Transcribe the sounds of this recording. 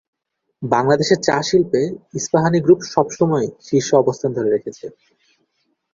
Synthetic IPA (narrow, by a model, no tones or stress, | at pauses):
baŋlad̪eʃeɾt͡ɕaʃilpeisbaɦaniɡɾupʃɔbʃɔmɔeʃiɾʃoɔbost̪ʰand̪ʱoɾeɾekʰet͡ɕʰe